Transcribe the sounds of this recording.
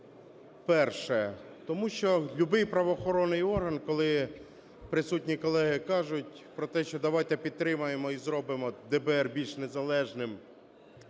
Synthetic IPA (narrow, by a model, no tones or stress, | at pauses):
pɛrʃɛ | t̪ɔmuʃt͡ʃɔlʲubɪjpɾɐʋɔːxɔɾɔnːɪjɔrɦɐnkɔlˠɪ | pɾɪsutʲnʲikɔlˠɛɦɪkɑʒʊtʲ | pɾɔt̪ɛʃt͡ʃɔd̪ɐʋɑjt̪ɛpʲid̪̚t̪ːɾɪmɐjemɔizɾɔbɪmɔd̪ɛbɛɛrbʲilʲʃnezɐlˠɛʒnɪm